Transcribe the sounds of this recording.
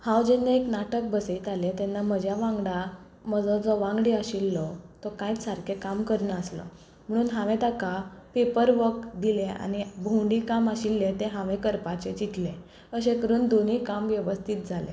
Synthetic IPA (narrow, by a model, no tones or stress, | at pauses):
hãwd͡ʑenːaeknaʈək̚bəseit̪alet̪enːam̤əd͡ʑʱjaʋãŋɡɽa | məd͡zɔd͡zɔʋãŋɡɽiəɕilːɔt̪ɔkajt͡ssaɾkʰekamkəɾnəslɔ̰ | m̤əɽ̃uːnɦãʋẽt̪akapepəɾʋəkd̪ilẽa̰ñibʱũɳɖiːkaməɕilːet̪eɦãʋẽkəɾpat͡ɕet͡ɕit̪lẽ | əɕ̬ẽkəɾuːnd̪on̤iːkamʋjɛʋəst̪ʰit̪̚d͡zʱalḛ̃